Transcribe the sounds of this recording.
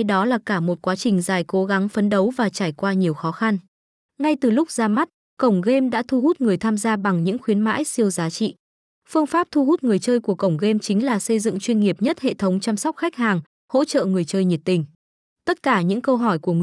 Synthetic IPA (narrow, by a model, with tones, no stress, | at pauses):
ɗɔ˨˦laː˨˩kaː˧˩mo˨˩t̚kwaː˨˦t͡ɕï˨˩ŋ̟zaː˨˩jko˨˦ɣa˨˦ŋfə˨˦nɗə˨˦wvaː˨˩t͡ɕaː˧˩jkwaː˧ɲi˨˩əwxɔ˨˦xa˧n | ŋa˧jt̪ɨ˨˩lʊ˦˥k͡p̚zaː˧ma˦˥t̚ | kə˧˩wŋ͡mɣe˧mɗa̰ː˧˥t̪ʰu˧hu˦˥t̚ŋɨ˨˩əjt̪ʰaː˧mzaː˧ɓa˨˩ŋɲɨ̰˧˥ŋxwi˨˦ənma̰ː˧˥jsi˧əwzaː˨˦t͡ɕḭ˧˨ | fɨ˧əŋfaː˦˥p̚t̪ʰu˧ɦu˦˥t̚ŋɨ˨˩əjt͡ɕəː˧jku˧˩əkə˧˩wŋ͡mɣe˧mt͡ɕï˨˦ŋ̟laː˨˩sə˧jzɨ̰˧˨ŋt͡ɕwi˧ənŋi˨˩əp̚ɲə˦˥t̚hḛ˧˨t̪ʰə˨˦wŋ͡mt͡ɕa˧msa˦˥k͡p̚xa˦˥k̚haː˨˩ŋ | ho̰˧˥t͡ɕə̰ː˧˨ŋɨ˨˩əjt͡ɕəː˧jɲi˨˩t̚t̪ï˨˩ŋ̟ | t̪ə˦˥t̚kaː˧˩ɲɨ̰˧˥ŋkə˧wɦɔ˧˩jku˧˩əŋ˧